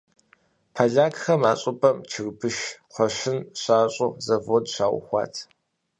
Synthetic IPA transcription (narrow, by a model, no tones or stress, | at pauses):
pʰɐɮaːkxɐmaːɕʼʊpʼɐmt͡ʃʰɨrbɨʃqʷʰɔɕɪnɕaːɕʼʊzɐvodɕaːwʊ̰xʷɑ̰ːtʰ